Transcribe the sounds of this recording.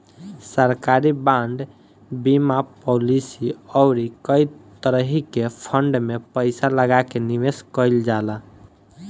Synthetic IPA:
səɾkaɾibãɳɖ | bimapolisiɔʊɾikəjt̪əɾəɦikepʰəɳɖmepəɪsaləɡakeniʋeskəld͡ʒala

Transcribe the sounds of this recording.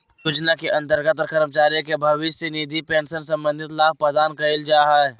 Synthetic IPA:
jʊd͡ʒnakiʔɐ̃nt̪əɾɡət̪ɾkəɾmət͡ʃaːɾjokebʱɐʋisinid̪ʱipẽːnsənsɐ̃mbə̃nd̪ʱɪt̪laːb̚pəd̪aːnkɐɪld͡ʒaːɦɛ

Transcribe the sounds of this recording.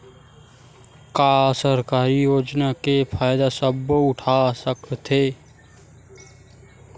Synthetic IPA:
kasəɾkaːɾijoːd͡ʒnakepʰaːjd̪asəbʊʈʰasəkt̪ʰe

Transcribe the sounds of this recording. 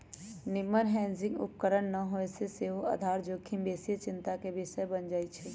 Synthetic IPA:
nɪmənɦɛ̃ːnzɪ̃ŋɡʊ̰p̚kəɾəɳnɐɦoeseseɦoʔad̪ʱaːɾd͡ʒoːkʰimbeːsijət͡ʃɪ̃nt̪akebɪʃəjbənd͡ʒaːit͡ʃʰɛ

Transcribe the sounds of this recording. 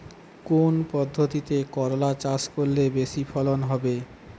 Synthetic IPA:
konpɔd̪ʱːot̪it̪ekɔɾolat͡ɕaskoɾːebeʃifʰɔlonɦɔbe

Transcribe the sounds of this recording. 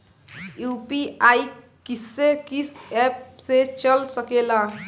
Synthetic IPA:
jupiaj | kisekisep̚set͡ʃʌlsəkela

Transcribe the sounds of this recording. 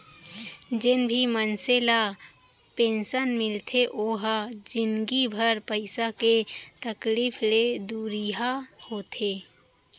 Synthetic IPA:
d͡ʒɪnbʱimənsela | pẽːnʃənmɪlt̪ʰeʔoːɦd͡ʒɪnɡibʱəɾpəɪsaket̪əkliːfʰled̪uːɾiɦahoːt̪ʰeː

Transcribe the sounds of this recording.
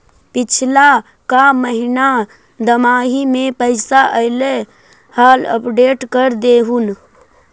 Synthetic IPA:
pɪt͡ʃʰla | kaməɦina | d̪əmaːɦimẽpəɪsaʔəɪle | haːlə̰pɖeːʈkəɾd̪eɦun

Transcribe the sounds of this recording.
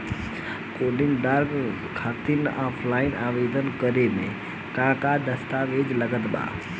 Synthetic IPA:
koːɖɪ̃ŋɡd̪aːɾɡ | kʰaːt̪inaːpʰlaːɪnaːʋeːd̪ənkəɾemḛ̃ | kãːkad̪ɐst̪aːʋeːd͡ʒlɐɡət̪ɓa̰ː

